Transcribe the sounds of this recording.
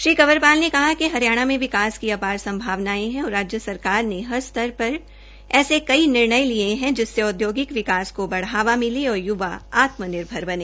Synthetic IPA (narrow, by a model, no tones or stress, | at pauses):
ʃɾiːkɐʋəɾpaːlnekɐɦakeɦɐɾijaːɽ̃amẽʋɪkaːskiɐpaːɾsɐ̃mbʱaːʋnaːẽɦɛ̃ɔːɾaːd͡ʒjəsɐɾkaːɾneɦɐɾst̪ʰɐɾpɐɾ | ɛːsekɐinɪɾɳəjlieɦɛ̃d͡ʒɪsːeʊd̪joːɡɪkʋɪkaːskobɐɽ̤ɦaːʋamɪliɔːɾjʊʋaaːt̪mənɪɾbʱəɾbɐneː